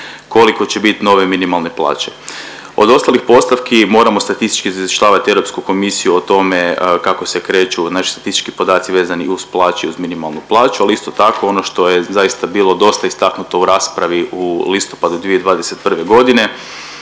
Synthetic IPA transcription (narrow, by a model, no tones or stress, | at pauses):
ko̞liko̞t͡ɕe̞bit̪no̞ʋe̞minimalˠne̞plˠa̰ːt͡ɕe̞̥ | o̞d̪o̞st̪alixpo̞st̪aʋkimo̞ːɾamo̞st̪at̪ist̪i̥t͡ʃkizaiʃʎaːʋat̪ieɾopskuko̞misijuot̪o̞me̞kako̞sekɾe̞ːt͡ʃunaʃi̥sat̪ist̪i̥t͡ʃkipo̞d̪aːt̪siʋe̞ːzaniusplˠaːt͡ʃeiuzminimalˠnuplˠaːt͡ʃualiist̪o̞t̪akʰo̞o̞no̞ʃt̪o̞jezajist̪abiːlˠo̞d̪o̞st̪aist̪aknut̪o̞uɾaːspɾaʋiʔulist̪o̞pad̪ud̪ʋied̪ʋaːd̪eset̪̚pr̩ʋe̞ɡo̞d̪ine̞